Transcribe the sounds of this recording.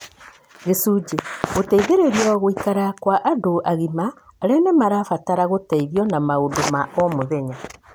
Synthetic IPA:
ɣesuːd͡ʒeɣotaiðeɾeɾjɔɣoikaɾakwaʔadoʔaɣimaːɾɛnɛmaɾafataɾaɣotaiðjɔnamaondomaʔɔmoðɛɲa

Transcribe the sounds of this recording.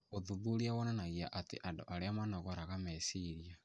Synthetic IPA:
oðuðuɾiawɔnanaɣiaʔatḛʔando̰ʔaɾeamanaɣɔɾaɣamɛsiɾia

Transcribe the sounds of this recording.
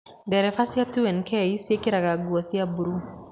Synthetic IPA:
dɛɾɛfasjat̪uɛnkɛisekiɾakaɡuosiabuɾu

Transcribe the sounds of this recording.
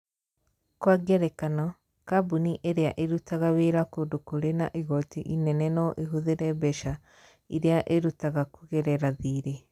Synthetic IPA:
kwaɡɛɾɛkanɔ | kabuniʔeɾeaʔeɾutaɣaβeɾakodokuɾena̰ʔiɣɔtiʔinɛnɛnɔʔiɦuðeɾɛbɛʃa | iɾeaʔeɾutaɣakuɣɛɾɛɾaðiːɾe

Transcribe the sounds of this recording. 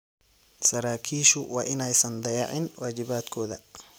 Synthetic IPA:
sɐɾaːkʰiːʃʊwɑːʔɪnɛjsɐnd̪ɐjɑʕɪnwaːt͡ʃɪβaːd̪kʰɔːðɐ

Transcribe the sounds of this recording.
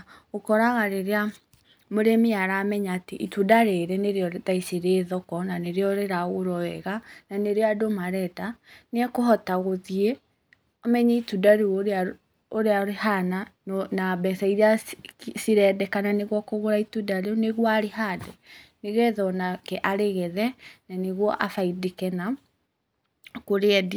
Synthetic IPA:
okɔɾaɣaɾeɾea | moɾemeaɾamɛɲaːteʔitudaɾeɾeneɾeɔðaisiɾeðɔkɔnaneɾeɔɾeɾaoɾɔɛɣananeɾeadomaɾɛdaneɛkoɦɔtaɣoðie | omɛɲɛitudaɾeoɾea | oɾeaɾehananabɛsaiɾeasiɾɛdɛkananeɣwɔkoɣoɾaitudaɾeneɣwɔaɾehadɛneɣɛðɔnakɛʔaɾeɣɛðɛnaneɣwɔʔafaidekɛna | koɾeɛd

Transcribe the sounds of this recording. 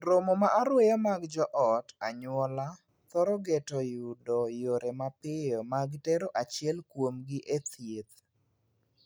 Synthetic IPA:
ɾomomaʔaɾwɛjɔmaɡd͡ʒɔʔɔtaɲwɔla | t̪ɔɾɔɡetɔjʊdɔjoɾemapɪjɔmaɡtɛɾoʔat͡ʃɪɛlkwomɡɪʔet̪jet̪

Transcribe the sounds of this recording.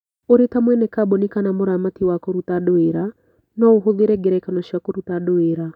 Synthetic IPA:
oɾetamwɛnɛkabɔnikanamoɾamatiwakɔɾutaɗoeɾa | nɔoɦoðiɾɛɡɛɾɛkanɔʃakɔɾutaɗoeɾa

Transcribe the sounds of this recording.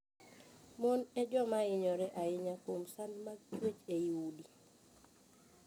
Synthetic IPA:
monɛd͡ʒɔmaɪɲɔɾɛʔaɪɲakomsanmat͡ʃwet͡ʃeiudi

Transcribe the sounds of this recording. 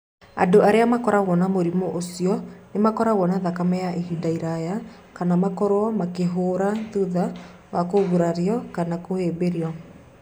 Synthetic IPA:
a̰doʔaɾeamakɔɾaɣɔnamoɾimoʔosiɔnemakɔɾaɣwɔnaðakamɛjaʔeɦidaiɾaja | kanamakɔɾwɔmakeɦoːɾaðuða | wakoɣuɾaɾeɔkanakohebeɾiɔ

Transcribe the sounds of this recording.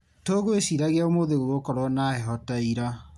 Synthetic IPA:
toːɣoesiɾaɣeaomoðeɣoɣokɔɾwɔnahɛɦɔtaiɾa

